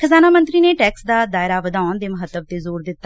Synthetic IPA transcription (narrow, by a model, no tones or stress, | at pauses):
kʰəzaːnaːmənt̪ɾiːneːʈɛːksd̪aːd̪aːɪɾaːʋəd̪aːʊnd̪eːməɦət̪ːəb̚t̪eːzoːɾd̪ɪt̪ːa